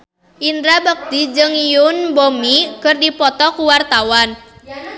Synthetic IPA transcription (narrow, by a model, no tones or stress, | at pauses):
ʔind̪ɾabək̚t̪id͡ʒɨŋijʊnbomikɨrdipɔt̪ɔkuwart̪awan